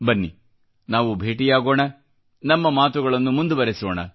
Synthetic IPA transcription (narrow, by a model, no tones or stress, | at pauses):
bɐnːḭ | naːʋubʱe̞ːʈijaːɡoːɳɐ | nɐmːɐmaːt̪uɡɐɭɐnːumund̪ubɐɾesoːɳɐ̰